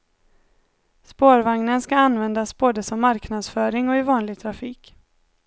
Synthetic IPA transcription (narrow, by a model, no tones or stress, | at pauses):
spoːɾvaŋnənskaanvɛnd̪asboːd̪əsɔmːaɾknad̪sfœːɾɪŋɔɪvɑːnlɪɡ̚t̪ʰɾafiːk